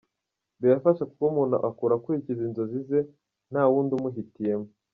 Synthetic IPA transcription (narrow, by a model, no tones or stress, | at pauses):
βijafaʃaku̥komuna̰ʔakuɾakuicizinzo̞zize̞ | n̥haːwuːndumuɦitije̞mo